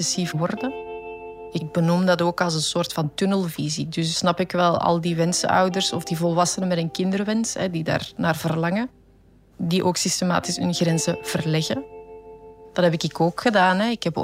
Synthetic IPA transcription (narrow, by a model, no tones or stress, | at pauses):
ɛsifəwɔrdə | ɪɡ̚bənumdɑtoːkɑlˠzənsoːrtfɑntɵnəlˠvizidʏsːnɑpɪkʋɛlˠɑ̰lˠdiʋɛnsə̰œ̰wdərsɔvdivɔlˠʋɑsənəmɛtənkɪndərʋɛnsɦɛdida̰ːrnaːrvərlɑŋə | diʔoːksistema̰ːtɪsʏnɣrɛnzəv̥ərlɛɣə | d̥ɑtɦɛpɪkɪkoːkxədaːnɦɛɪkhɛp